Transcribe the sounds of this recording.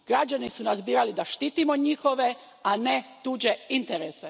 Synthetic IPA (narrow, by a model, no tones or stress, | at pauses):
ɡ̥ɾad͡ʒanisunazbiːɾalid̪aʃt̪iːt̪imoɲixo̞ʋe̞ | anet̪uːd͡ʑe̞int̪eɾese